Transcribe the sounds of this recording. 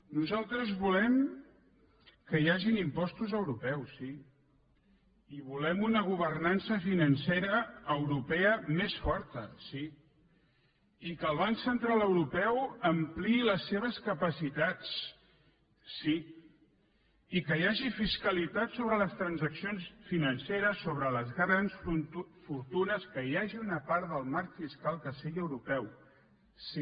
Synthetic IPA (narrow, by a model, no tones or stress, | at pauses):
nuzalˠt̪ɾəzβulɛm | kəjaʒinimpɔst̪uzəwɾupɛwsːi | iβulɛmunəɣ̞uβ̞ərnansəfinənseɾəːwɾupɛəmesfɔɾt̪ə̰si | ikəlˠβ̞aŋksənt̪ɾalˠəwɾupɛwəmpliːləsːeβ̞əskəpəsit̪at͡s | i | ikəjaʒifiskəlit̪at̪soβɾələst̪ɾənzəksionsfinənseɾəsːoβɾələzɣɾansfuɾt̪unəskəjaʒiunəpaɾðəlˠmaɾkfiskalˠkəseʎəwɾupɛw | si